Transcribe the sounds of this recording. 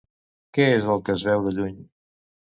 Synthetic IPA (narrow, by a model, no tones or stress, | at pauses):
kɛezəlˠkəzβɛwðəʎuɲ